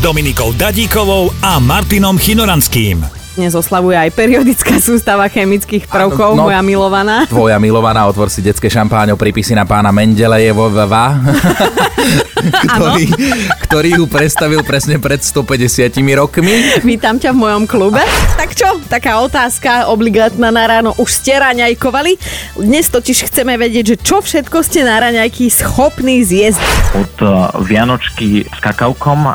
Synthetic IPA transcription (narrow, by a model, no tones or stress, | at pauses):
d̪ɔminikɔʊd̪aɟiːkɔʋɔʊamaɾt̪inɔmxinɔɾanskiːm | ɲɛzɔslaʋujɛajpɛɾiɔd̪it͡skaːsuːst̪aʋaxɛmit͡skiːxpr̩ʊkɔʊnmɔjamilɔʋanaːt̪ʋɔjamilɔʋanaːɔt̪ʋɔɾsiɟɛt͡skɛːʃampaːɲɛpɾiːpisinapaːnamɛɲɟɛlɛjɛʋɔʋʋa | t̪ɔɾiːkt̪ɔɾiːɦupɾɛt̪st̪aʋilpɾɛsɲɛpɾɛt̪st̪ɔpɛɟɛsɪacimiɾɔkmiʋiːt̪amcavmɔjɔmklubɛt̪akt͡ʃɔt̪akaːɔt̪aːskaɔbliɡaːt̪naːnaɾaːnɔʔuʃscɛɾaɲajkɔʋalid̪ɲɛst̪ɔciʃxt͡sɛmɛʋɛɟɪɛɟʒɛt͡ʃɔfʃɛt̪kɔscɛnaɾaɲajkisxɔpniːzjɛzɟicpɔt̪ʋɪanɔt͡ʃkiskakaʊkɔm